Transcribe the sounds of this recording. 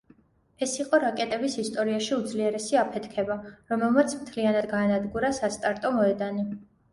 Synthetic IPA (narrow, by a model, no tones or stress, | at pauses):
ɛsiqʼɔɾakʼɛt̪ʼɛbisist̪ʼɔɾiaʃiud̪zliɛɾɛsiapʰɛt̪ʰkʰɛbaɾɔmɛlˠmat̪sʰmt̪ʰlianad̪ɡaːnad̪ɡuɾasast̪ʼaɾt̪ʼɔmɔɛd̪ani